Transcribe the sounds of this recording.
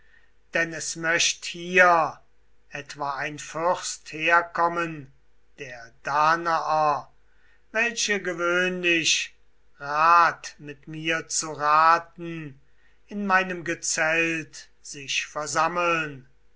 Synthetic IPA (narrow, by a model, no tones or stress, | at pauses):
d̥ɛnɛsmœʃthiːɐ | ʔɛtv̥aːaɪnfʏʁstheːɐkʰɔmən | d̥eːɐd̥aːnaʔɐ | vɛlɕəɡəvøːnlɪʃ | ʁaːtmɪtmiːɐt͡suʁaːtn̩ | ɪnmaɪnəmɡət͡sɛlt | z̥ɪʃfɛɐzaməln